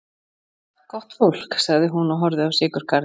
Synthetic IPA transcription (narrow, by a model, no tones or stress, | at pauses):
kʰɔht̪fol̥ksaɣðɪɦunɔɦɔɾðʏawsɪːkʏɾ̥kʰaɾ